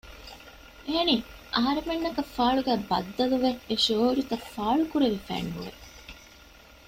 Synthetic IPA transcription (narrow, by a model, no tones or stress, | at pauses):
ʔeɐniː | ʔɐɦɐɾemenːɐkɐfːaːɭuɡæːbɐ̰d̪ːɐluʋeeʃoːuɾit̪ɐfaːɭukuɾeʋifæ̰ːnɦṵʋḛ